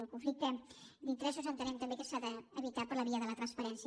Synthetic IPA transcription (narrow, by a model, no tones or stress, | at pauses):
əlˠkuɱflik̚t̪əd̪int̪ɾəʃouzənt̪ənɛmt̪əmbekəsaðəːβit̪apəɾləβiəðələt̪ɾənspəɾɛnsj